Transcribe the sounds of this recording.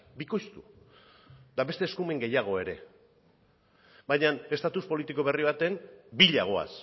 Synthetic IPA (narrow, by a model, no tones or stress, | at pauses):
biko̞jst̪u | d̪aβe̞st̪e̞ːskume̞ŋɡe̞jaɣ̞o̞e̞ɾe̞̰ | bajɲane̞st̪at̪uspo̞lit̪iko̞βe̞riβ̞at̪e̞mbiʎaɣ̞o̞a̰s